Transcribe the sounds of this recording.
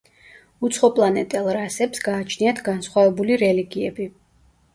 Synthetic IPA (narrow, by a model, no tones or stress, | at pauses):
ut̪sʰχɔpʼlˠanɛt̪ʼɛlˠɾasɛpsɡaːt͡ʃʰniat̪ʰɡansχwavɛbuliɾɛliɡiɛbi